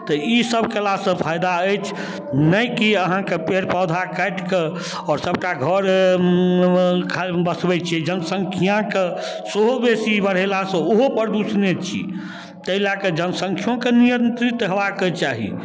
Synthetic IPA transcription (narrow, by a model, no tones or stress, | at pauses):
t̪əisəbʱkelasə̃pʰajd̪aəjt͡ʃʰ | nəjkiəɦãkepeɾpɔd̪ʱakəʈke | ɔːɾsəbʈaɡʱəɾ | kʰabəsbɛt͡ʃʰɛd͡ʒənəsə̃ŋkʰijãke | seɦobesibəɽ̤elasə̃oɦopəɾd̪usnet͡ʃʰḭ | t̪əɦilaked͡ʒənsə̃ŋkʰjõkenijənt̪ɾit̪ɦebaket͡ʃaɦḭ